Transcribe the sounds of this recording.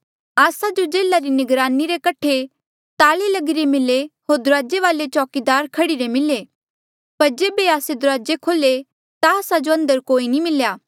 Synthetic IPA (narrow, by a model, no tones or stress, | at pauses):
aːsad͡ʒod͡ʒeːlaɾinɪɡɾaːniɾekɐʈʰe | t̪aːlelɐɡɪɾemɪleɦoːɾd̪ʊɾaːd͡ʒeʋaːlet͡ʃɔːkid̪aːɾkʰɐɽiɾemɪle | pɐɾd͡ʒeːbeaːsed̪ʊɾaːd͡ʒekʰoːle | t̪aːsad͡ʒoɐ̃nd̪əɾkoːinimɪljaː